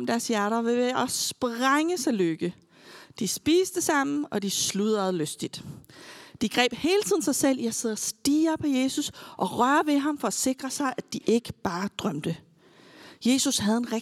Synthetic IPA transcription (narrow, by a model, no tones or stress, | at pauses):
md̥æɐsjæɐɾɐʋeʋeɒsb̥ʁaŋəsɑɪløɡ̥ə | d̥isb̥iːsd̥əsɑ̈m̰n̩ɒ̽d̥isluð̰ˠæð̩ˠløsd̥id̥ | d̥iɡ̥ʁɛ̰ːb̥he̝ːlət͡sʰið̰ˠn̩sɑɪsel̰jɑseð̰ˠɐsd̥iːɐpʰɒ̽je̝ːsusʔɒ̽ʁɶɐʋe̝ɦɑ̈mfɒ̽æse̝ɡ̥ʁɐsɑ̈ɪʔæd̥iʔe̝ɡ̥əb̥ɑ̈ːd̥ʁɶm̰d̥ə | je̝ːsushæðˠenʁ